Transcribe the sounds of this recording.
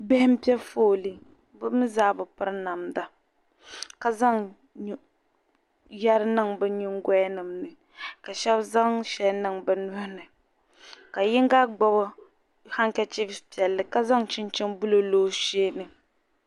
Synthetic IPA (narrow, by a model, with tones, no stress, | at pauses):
bɛ˦hɪ˦m̩˦pɛ˦foː˦li˦ | bɨ˦mɨ˦zaː˦bʊ˨pɨ˦ɾna˨mda˨ | ka˦za˦ŋ˦ | ja˦ɾɨ˦nɨ˦˨ŋbɛ˦ɲi˦ŋɡʷɛ˦nɨ˨mnɨ˨ | ka˨ʃɛ˦bza˦ŋʃɛ˨lnɨ˨ŋbɛ˨nʊ˦hnɨ˨ | ka˨jɪ˦ŋ˦ɡa˦ɡ͡bɔ˦bɔ˦ | ha˦ŋ˦kɛ˦t͡ʃi˦bpi˨ɛ˨lːɨ˨ka˦za˦ŋt͡ʃɪ˦nt͡ʃɪ˦ŋbu˦lo˨loː˦ʃeː˦nɨ˨